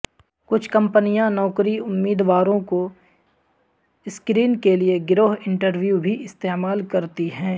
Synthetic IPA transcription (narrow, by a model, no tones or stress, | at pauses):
kʊt͡ʃʰkɐ̃mpənijãnɔːkɾiʊmːiːd̪waːɾõko | ɪskɾiːnkelieɡɾoːɦɪ̃ɳʈəɾʋjubʱiʔɪst̪eːmaːlkɐɾt̪iɦɛ̃ː